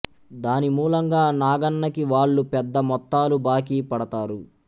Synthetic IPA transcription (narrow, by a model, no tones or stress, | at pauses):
d̪aːnimuːlɐŋɡaːnaːɡɐnːɐkiʋaːɭːupɛd̪ːɐmɔt̪ːaːlubaːkiːpɐɽɐt̪aːɾu